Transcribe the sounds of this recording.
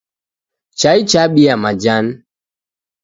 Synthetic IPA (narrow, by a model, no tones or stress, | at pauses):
t͡ʃait͡ʃaɓiamad͡ʒan